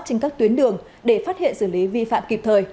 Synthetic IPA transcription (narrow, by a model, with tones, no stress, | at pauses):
t͡ɕï˧ŋ̟kaː˦˥k̚t̪wi˨˦ənɗɨ˧˨˩əŋ | ɗe˧˩faː˦˥t̚hḭ˧˨ənsɨː˧˩li˨˦vi˧fa̰ː˧˨mki˨˩p̚t̪ʰəː˨˩j